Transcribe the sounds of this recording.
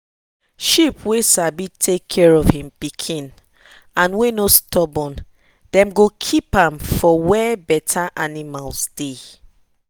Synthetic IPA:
ʃipwesabitʰekʰːɛɹɔvhĩmpikʰĩn | ãnwenostɔbɔ̃n | d̥ɛ̃mɡokʰipãmfɔwɛbɛtʰaʔanimalsd̥e

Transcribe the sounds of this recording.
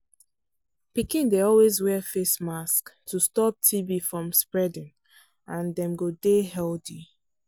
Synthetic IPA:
pikĩndeɔlwezwɛfesmasktʰustɔp̚tʰibifɹɔ̃mspɹɛdɪ̃ŋ | ãndɛ̃mɡodehɛldi

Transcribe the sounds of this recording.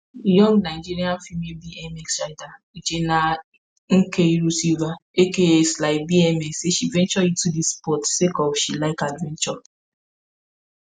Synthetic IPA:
jɔ̃ŋɡnaɪd͡ʒiɾian̩fimebiɛmɛksaɪda | id͡ʒena | ŋ̩keiɾusivaekeeslaɪk̚biɛmɛkseʃivɛ̃nt͡ʃɔitudispɔtsekɔfʃilaɪkadvɛ̃nt͡ʃɔ

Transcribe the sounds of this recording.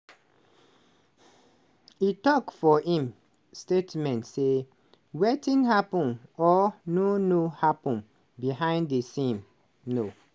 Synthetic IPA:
itɔkfɔhĩm | stetmɛ̃ntse | wetĩnhapɔ̃nɔnonohapɔ̃n | biɦãɪ̃nddesĩm | no

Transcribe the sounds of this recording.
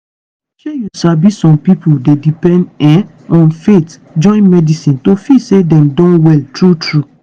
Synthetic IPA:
ʃɛjusabisɔ̃mpipʰodedipɛ̃ndɛ̃ | ɔ̃nfet | d͡ʒɔ̃ɪ̃nmɛdisĩntofisedɛ̃mdɔ̃nwɛltɹutɹu

